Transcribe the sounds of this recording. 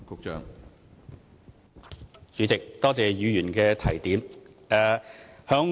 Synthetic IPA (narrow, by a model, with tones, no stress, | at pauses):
kʊ˨k̚t͡ʃœ̰ː˨ŋ | t͡syː˨˧˥t͡sɪ˨k̚t̪ɔː˥t͡sɛː˨jyː˨˧jyː˨˩nkɛː˧t̪ʰɐ˨˩jt̪iː˨˥mɛː˨hœː˨˥ŋ